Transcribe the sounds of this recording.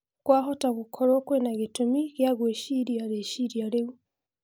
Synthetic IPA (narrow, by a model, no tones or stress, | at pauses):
kwaːɦotaɡukʰoɾokwenaɡitumikjaɡweʃiɾjaɾeʃiɾjaɾeɡu